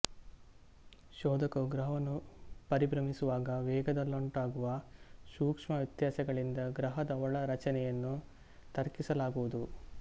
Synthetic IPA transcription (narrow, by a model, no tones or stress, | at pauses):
ʃɔːd̪ɐkuɡɾɐɦɐɐnːupɐɾibɾɐmisuʋaːɡɐʋɛːɡɐd̪ɐlːoɳʈaːɡuʋɐʃuːkʂmɐʋit̪jaːsɐɡɐɭind̪ɐɡɾɐɦɐd̪ɐɔɭɐɾɐt͡ʃɐnɛjɐnːu | t̪ɐɾkisɐlaːɡuʋud̪u